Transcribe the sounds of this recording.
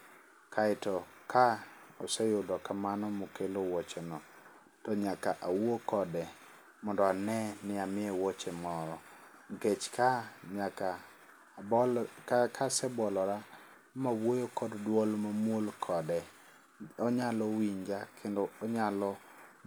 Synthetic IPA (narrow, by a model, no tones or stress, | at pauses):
kʰaɪtɔ | kʰaɔsɛjʊdɔkamanɔmokelowɔt͡ʃenɔ | tɔɲakaʔawokɔdɛ | mɔndɔanɛnɪamɪɛwɔt͡ʃemɔɾɔ | ŋket͡ʃkaaka | kʰasɛbɔlɔɾa | mawojokɔddwɔlmamwolkʰɔdɛ | ɔɲalɔwiɲd͡ʒakʰendɔːɲalɔ